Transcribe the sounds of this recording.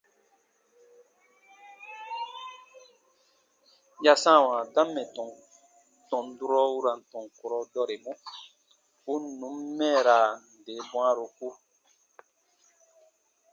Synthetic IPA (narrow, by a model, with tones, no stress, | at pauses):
ja˦sã˦˨wã˨dã˦mːɛ̃˨tɔ˨ | tɔ̃˨n˨du˦ɾɔ˦wu˦ɾa˨n̩˨tɔ̃˨ŋko˨ɾɔ˧dɔ˦ɾe˨mũ˦ | u˦nũ˨˦mːɛ̃˦˨ɾa˨n˨de˨˦bw̃ã˦ɾo˨ku˦